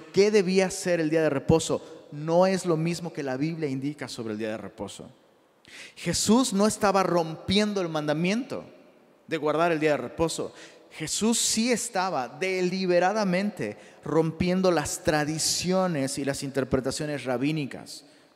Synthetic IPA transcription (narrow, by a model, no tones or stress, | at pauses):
ke̞ðe̞βiase̞ɾe̞ld̪iaðe̞re̞po̞so̞no̞e̞zlo̞mizmo̞ke̞laβiβljaind̪ikaso̞βɾeld̪iaðerḛpo̞̰so̰ | xe̞suzno̞e̞st̪aβaro̞mpje̞nd̪o̞elmãnd̪amjẽ̞nt̪o̞̰ | ðe̞ɣwaɾðaɾeld̪iaðere̞po̞so̞̰ | xe̞susːie̞st̪aβaðeliβe̞ɾaðamẽnt̪e̞̰ro̞mpje̞nd̪o̞last̪ɾaðisjo̞ne̞silasint̪e̞ɾpɾe̞t̪asjo̞ne̞sraβinika̰s